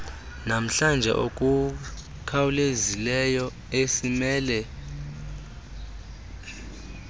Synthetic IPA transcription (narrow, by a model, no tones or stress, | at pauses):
nam̩ɬand͡ʒʱɛ̰ʔokʼu | kʰawulezilɛjɔ | esimɛːlɛ